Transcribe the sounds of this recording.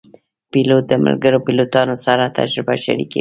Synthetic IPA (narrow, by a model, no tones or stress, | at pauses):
pilot̪̚d̪əmə̰lɡəɾopilot̪ɑnosaɾat̪a̰d͡ʒɾɪbaʃa̰ɾḭkḛ